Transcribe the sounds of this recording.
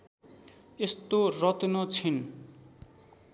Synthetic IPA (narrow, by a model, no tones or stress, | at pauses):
est̪orʌt̪inʌt͡sʰin